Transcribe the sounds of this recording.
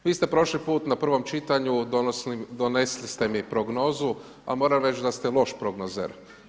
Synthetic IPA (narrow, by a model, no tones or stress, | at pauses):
ʋiːst̪e̞pɾo̞ʃlipuːt̪napr̩ʋo̞mt͡ʃit̪aɲu | d̪oneslist̪emipɾoɡno̞ːzu | a̰mo̞ːɾamɾet͡ʃd̪ast̪elˠo̞ʃpɾoɡnozḛɾ